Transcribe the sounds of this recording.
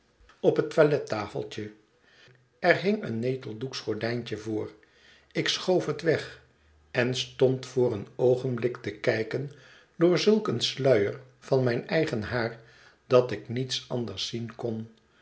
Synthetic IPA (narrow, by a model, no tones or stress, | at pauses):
ɔpɦətʋalɛtaːfə̰lˠt͡ʃə | ɛɹɦɪŋənːejtəlˠduksχɔɹdɛjncəvʊːɹ | ɪksχowfətʋɛχ | ɛnstɔntfʊːɾənowχənblɪktəkɛjkən | dʊːɹzɵlˠkənslœɥəɹ | vɑnmɛjnɛjχənɦaːɹ | d̥ɑtɪknitsɑ̰ndəɹsinkɔn